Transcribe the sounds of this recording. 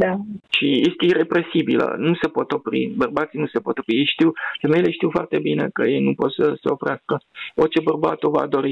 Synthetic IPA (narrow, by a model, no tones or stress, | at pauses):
d̪aʃijest̪eire̞pɾe̞sibilə̰nuse̞po̞t̪o̞pɾḭbərbat̪sinuse̞po̞t̪o̞pɾijejʃt̪iwfemejle̞ʃt̪iwfoa̰rt̪e̞bine̞̰kəje̞jnupo̞t̪səsḛo̞fɾeaskəo̞rt͡ʃe̞bərba̰t̪o̞va̰d̪o̞ɾi